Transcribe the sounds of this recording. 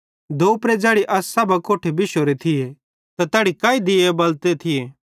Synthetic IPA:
d̪oːpɾɛd͡ʒɛːɽiʔɐsːaːbakoːʈʰebɪʃoɾet̪ʰɪje | t̪at̪aːɽikaːid̪ɪjebɐlt̪et̪ʰɪjeː

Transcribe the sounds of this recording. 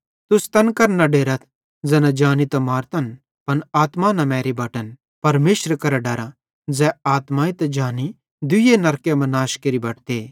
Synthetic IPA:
t̪ʊst̪ɐnkɐɾnɐɖeːɾət̪ʰ | d͡zɛːnãd͡ʒaːnit̪ɐmaːɾt̪ɐn | pɐnaːt̪manɐmɛːɾibɐʈən | pɐɾmeːʃɾəkɐɾaɖɐɾa | d͡zɛaːt̪maːit̪ɐd͡ʒaːni | d̪ʊjenɐɾkjemɐ̃naːʃkeɾibɐʈt̪eː

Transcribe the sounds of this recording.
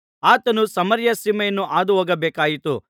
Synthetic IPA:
aːt̪ɐnusɐmɐɾjɐsimɐjɐnːuʔaːd̪uɦoːɡɐbeːkaːjit̪ṵ

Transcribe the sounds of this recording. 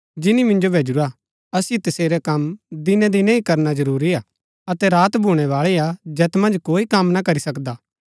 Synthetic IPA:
d͡ʒɪnimɪ̃nd͡ʒobʱeːd͡ʒuɾa | ɐsjit̪ɐseːɾɛkɐmd̪ɪnɛ̃d̪inɛ̃ikɐɾnazɐɾuːɾiaː | ɐt̪ɛɾaːt̪bʱuːɽ̃ɛʋaːɭiad͡ʒɛːt̪mɐ̃nd͡ʒkoːikɐmnakɐɾisɐkd̪aː

